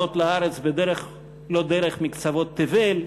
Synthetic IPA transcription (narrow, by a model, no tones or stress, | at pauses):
ot̪laaɾet͡sbed̪eɾeχ | lod̪eɾeχmikt͡savot̪ːevel